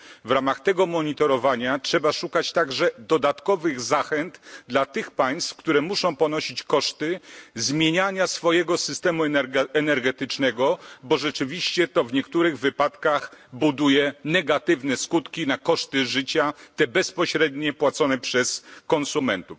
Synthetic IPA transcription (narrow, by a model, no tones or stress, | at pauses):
vɾamaxt̪ɛɡɔmɔɲit̪ɔɾɔvaɲatʂɛbaʂukat͡ɕt̪aɡʐɛd̪ɔd̪at̪kɔvɘɣzaxɛnt̪d̪lat̪ɘxpaj̃st̪fkt̪uɾɛmuʂɔ̃w̃pɔnɔɕit͡ɕkɔʂt̪ɘzmʲjeɲaɲasfɔjɛɡɔsɘst̪ɛmuɛnɛɾɡɛt̪ɘt͡ʂnɛɡɔbɔʐɛt͡ʂɘvʲiɕt͡ɕɛt̪ɔvɲɛkt̪uɾɘɣvɘpat̪kaxbud̪ujɛnɛɡat̪ɘvnɛskut̪kʲinakɔʂt̪ɘʐɘt͡ɕat̪ɛbɛspɔɕɾɛd̪ɲɛpwat̪sɔnɛpʂɛskɔnsumɛnt̪uf